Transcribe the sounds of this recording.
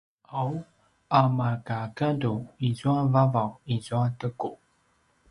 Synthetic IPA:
aw | amakakaduizuavavawizuatəku

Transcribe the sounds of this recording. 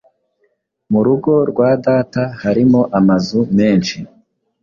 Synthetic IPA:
muɾuɡo̞ɾɡwaːdaːtahaɾimo̞ʔamazume̞ːnt͡ʃi

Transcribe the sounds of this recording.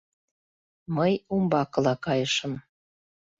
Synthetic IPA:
məjumbɑkəlɑkɑjəʃə̆m

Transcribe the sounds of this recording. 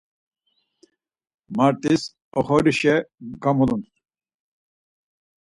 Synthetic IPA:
maɾt̪is | ɔχɔɾiʃɛɡamulun

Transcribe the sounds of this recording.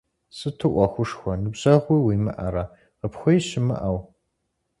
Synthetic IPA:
sɨtʰɨʔʷɔxʷʊʂxʷɔnɨbʑɐʁʷiːwiːmɨ̰ʔɐ̰ɾa | ʁəpxʷɔjɕɪmɨ̰ʔɐw

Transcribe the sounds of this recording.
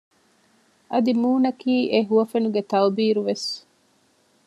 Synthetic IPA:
ɐd̪imuːnɐkiːʔeɦuʋɐfenuɡet̪ɐwbiːɾuʋes

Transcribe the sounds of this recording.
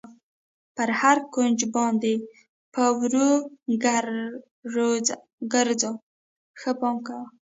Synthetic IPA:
pəɾhaɾkond͡ʒbɑnd̪e | pəwɾu | ɡəɾzo | xəpɑmkawa

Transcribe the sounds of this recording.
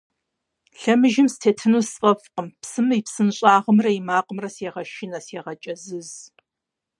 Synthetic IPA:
ɬɐmɨʒɪmstʰeːtʰɨnusfʼɐfqəmpsɨmɨipsɨnɕʼaːʁəmrɐimaːqəmrɐseːʁɐʃɪnɐseːʁɐt͡ʃʼɐzɨz

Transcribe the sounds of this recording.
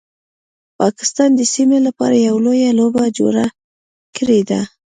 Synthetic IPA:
pɑkɪ̥st̪ɑnd̪əsimelapɑ̰ɾajawlojalobad͡ʒo̰ɾa | kəɾed̪a

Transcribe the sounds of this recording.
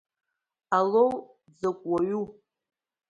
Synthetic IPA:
alow | d͡zakʷʼwaɥu

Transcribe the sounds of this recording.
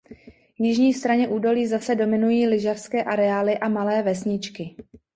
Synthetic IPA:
jɪʒɲiːst̪ɾaɲɛʔuːdo̞liːzasɛdo̞mɪnujiːlɪʒafskɛːʔaɾɛaːlɪʔamalɛːvɛsɲɪt͡ʃkɪ

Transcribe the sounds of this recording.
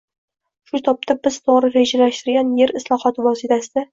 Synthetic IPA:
ʃʊt̪ʰɒp̚t̪ʰabɪz̥t̪ʰoʁɾɪɾed͡ʒalaʃt̪ɪɾɡʲanje̞ɾɪslˠɒχɒt̪ʰɪvɒsit̪ʰasɪd̪a

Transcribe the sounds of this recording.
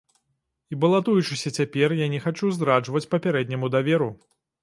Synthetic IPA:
ibɐlˠat̪ujut͡ʂɨsʲɐt͡sʲapʲɛrjanʲɛxat͡ʂuzd̪ɾaʐvɐt͡sʲpɐpʲɛɾɛd̪̚ʲnʲɐmud̪avʲɛɾu

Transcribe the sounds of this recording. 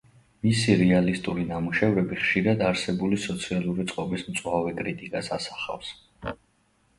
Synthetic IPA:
misiɾɛalist̪ʼuɾinamuʃɛvɾɛbiχʃiɾad̪aɾsɛbulisɔt̪sʰialˠuɾit̪sʼqʼɔbismt̪sʼwavɛkʼɾit̪ʼikʼasasḁχa̰fs

